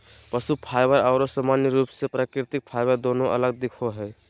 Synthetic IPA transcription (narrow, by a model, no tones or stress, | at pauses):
pɐʃupʰaːɪʋəɾɔːɾosamaːnjəɾuːpsepɾaːkɾɪt̪ɪk̚pʰaːɪʋəɾd̪oːnõʔɐ̰ləɡ̚d̪ɪkʰoɦɛː